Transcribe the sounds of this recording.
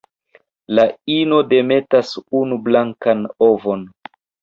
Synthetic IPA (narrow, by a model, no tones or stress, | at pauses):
laino̞de̞me̞tasunublaŋkanovo̞n